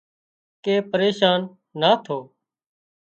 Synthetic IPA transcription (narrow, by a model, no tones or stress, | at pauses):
keːpəɾeːʃaːnː | aːt̪ʰoː